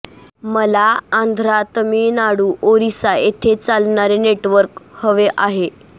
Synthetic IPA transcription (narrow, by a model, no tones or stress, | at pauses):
məlaand̪ʱɾat̪miːnaɽuːʔoɾisaet̪ʰet͡salɳaɾeneʈʋəɾkhəʋeʔaɦe